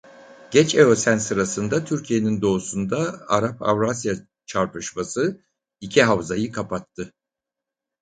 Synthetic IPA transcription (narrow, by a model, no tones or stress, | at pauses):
ɟ̥ɛt͡ʃeosænsɯɾasɯnd̪at̪ʰyɾcʰije̞nind̪o̞usund̪aaɾapʰa̰vɾasja | t͡ʃʰaɾpɯʃmasɯ | icʰiɦavzajɯkʰapat̪ʰːɯ